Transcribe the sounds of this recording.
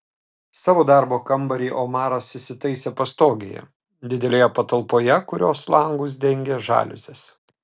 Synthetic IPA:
sɑːʋoːd̪ɑˑɾboːkɐmbɐɾʲiːʔoːmɑːɾɐsɪsʲɪt̪ɐɪsʲeːpɐst̪oːɡʲḛjɛ̰ | d̪ʲɪd̪ʲɛlʲeːjɛpɐt̪ɐlˠpoːjɛkʊɾʲoːslˠɐŋɡʊːs̬d̪ʲɛŋʲɡʲeːʒɑ̰ːlʲʊ̰sʲes

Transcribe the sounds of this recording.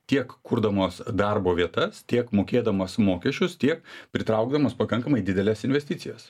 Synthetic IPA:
t̪ʲiɛkkʊɾd̪ɐmoːsd̪ɐrboːʋʲiɛt̪ɐst̪ʲiɛkmoːkʲeːd̪ɐmɐsmoːkʲɛʃʲt͡ʃʲʊst̪ʲiɛk̚pʲɾʲɪt̪ɾɐʊɡ̚d̪ɐmoːspɐkɐŋkɐmɐɪd̪ʲɪd̪ʲɛlʲɛsɪnʲʋʲɛsʲt̪ʲɪt̪ʲɪjɛs

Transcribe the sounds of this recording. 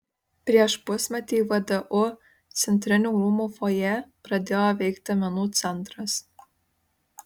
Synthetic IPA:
pʲɾʲiɛʃpʊsʲmʲɛt̪ʲiːʋɐd̪ɐʔʊ | t̪sʲɛnʲt̪ʲɾʲɪnʲuːɾuːmuːfojɛpɾɐd̪ʲeːjoːʋʲɛɪkt̪ʲɪɐmʲɛnuːt̪sʲɛnˑt̪ɾɐs

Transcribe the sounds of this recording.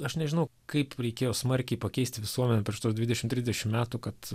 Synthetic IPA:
ɐʃnʲɛʒʲɪnɐʊkɐɪpɾʲɛɪkʲeːjoːsmɐɾʲkʲɛɪpɐkʲɛɪsʲt̪ʲɪʋʲɪsuɔmʲɛnʲɛpʲɾʲiɛʃt̪uɔsd̪ʲʋʲɪd̪ʲɛʃʲɪmt̪ʲɾʲɪzʲd̪ʲɛʃʲɪmmʲæːt̪ukɐt̪

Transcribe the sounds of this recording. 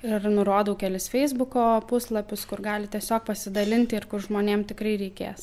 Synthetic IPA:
ɪrnʊɾoːd̪ɐʊkʲɛlʲɪsfʲɛɪzbʊkoːpʊslˠɐpʲʊskʊrɡɑːlʲɪt̪ʲiɛsʲoːk̚pɐsʲɪd̪ɐlʲɪnʲt̪ʲɪɪrkʊrʒmoːnʲeːmt̪ʲɪkɾɐɪɾʲɛɪkʲḛːs

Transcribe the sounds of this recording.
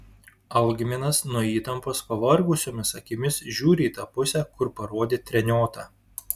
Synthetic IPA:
ɐʊɡʲɪmʲɪnɐsnuɔiːt̪ɐmpoːspɐʋɐɾɡʊsʲoːmʲɪsɐkʲɪmʲɪsʒʲuːɾʲɪiːt̪ɑːpʊsʲɛkʊɾpɐɾoːd̪ʲeːt̪ʲɾʲɛnʲoːt̪ɑː

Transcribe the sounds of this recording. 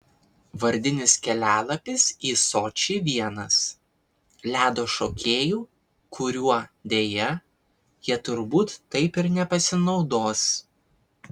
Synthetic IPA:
ʋɐɾʲd̪ʲɪnʲɪskʲɛlʲæːlˠɐpʲɪsiːsoːt͡ʃʲiːʋʲiɛnɐs | lʲæːd̪oːʃoːkʲeːjuː | kʰʊɾʲuɔd̪ʲeːjɛ | jiɛt̪ʊɾbuːt̪ːɐɪpɪɾnʲɛpɐsʲɪnɒʊd̪oːs

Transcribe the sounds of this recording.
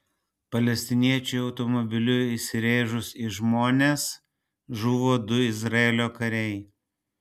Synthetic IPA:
pɐlʲɛsʲt̪ʲɪnʲiɛt͡ʃʲʊɪɒʊt̪ɔmɔbʲɪlʲʊisʲɪɾʲeːʒʊsiʒmoːnʲeːs | ʒuːʋoːd̪ʊɪzɾɐeːlʲoːkɐɾʲɛɪ

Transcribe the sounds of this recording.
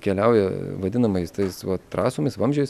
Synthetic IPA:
kʲɛlʲɛʊjɛʋɐd̪ʲɪnɐmɐjst̪ɐɪsʋɐt̪ɾɑːsomʲɐɪsʋɐmʲʒʲoːjs

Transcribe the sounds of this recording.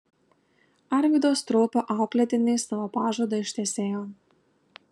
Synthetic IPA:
ɐɾʲʋʲiːd̪oːst̪ɾɔːpʲoːʔɑˑʊklʲɛt̪ʲɪnʲeɪsɐʋoːpɑːʒoːd̪ɐɪʃt̪ʲɛsʲeːjoː

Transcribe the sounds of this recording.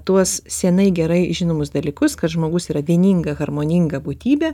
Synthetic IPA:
t̪uɔssʲɛnɐɪɡʲɛɾɐɪʒʲɪnoːmʊs̬d̪ɐlʲiːkʊskɐt̪ʒmoːɡʊsiːɾɐʋʲiɛnʲiŋɡɐɣɐrmoːnʲɪŋɡɐbuːt̪ʲiːbʲe

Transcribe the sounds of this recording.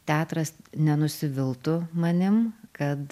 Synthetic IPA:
t̪ʲæːt̪ɾɐsnʲɛnʊsʲɪʋʲɪlˠt̪ʊmɐnʲɪmkɐt̪

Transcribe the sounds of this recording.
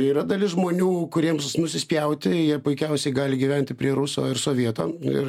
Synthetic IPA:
iːɾɐd̪ɐlʲɪsʒmoːnʲuːkʊɾʲiɛmsnʊsʲɪsʲpʲjɛʊt̪ʲɪjiɛpʊɪkʲɛʊsʲɛɪɡɑːlʲɪɡʲiːʋʲɛnʲt̪ʲɪpʲɾʲiɛɾʊsoːɪɾsoːʋʲiɛt̪o̰ːɪ̰r

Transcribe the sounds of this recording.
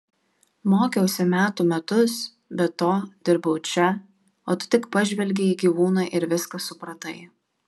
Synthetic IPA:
moːkʲɛʊsʲɛmʲæːt̪uːmʲɛt̪ʊs | bʲɛt̪oːd̪ʲɪɾbɐʊt͡ʃʲɛ | oːt̪ʊ̥t̪ʲɪkpɐʒʲʋʲɛlʲɡʲɛiːɡʲiːʋuːnɑʔɪɾʋʲɪskɐsʊpɾɐt̪ɐɪ

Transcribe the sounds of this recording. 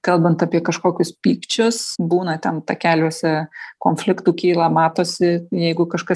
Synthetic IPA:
kɐlˠbɐnt̪ɐpʲiɛkɐʃkoːkʲʊspʲiːkt͡ʃʲʊsbuːnɐt̪ʲɛnt̪ɑkʲæːlʲuːsʲɛkoːnʲfʲlʲɪkt̪uːkʲiːlˠɐmɑːt̪oːsʲɪjɛɪɡʊkɐʃkɐs

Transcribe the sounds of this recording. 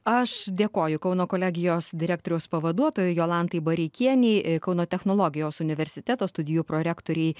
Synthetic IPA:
ɐʃd̪ʲeːkoːjʊkɐʊnoːkoːlʲæːɡʲɪjoːsd̪ʲɪɾʲæːk̚t̪oːɾʲɪjoːspɐʋɐd̪uɔt̪oːjʊjoːlˠɑnt̪ɐɪbɐɾʲɛkʲiɛnʲɛɪkɐʊnoːt̪ʲɛxnoːlˠoːɡʲɪjoːsʊnʲɪʋʲɛɾʲsʲɪt̪ʲæt̪oːst̪ʊd̪ʲɪjuːpɾoːɾʲæːkt̪oːɾʲɛɪ

